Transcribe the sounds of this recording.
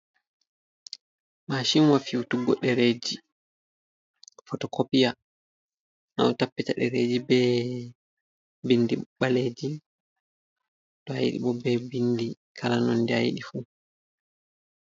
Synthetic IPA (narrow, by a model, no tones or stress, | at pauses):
maʃinwafiwutuɡɔɗɛɾed͡ʒi | fɔtɔkopija | na̰wtapːitaɗɛɾeːd͡ʒibɛ | bindiɓaleːd͡ʒi | tɔaj̰ɗḭɓɔbɛbindi | kʰalanɔndɛa̰jɗifu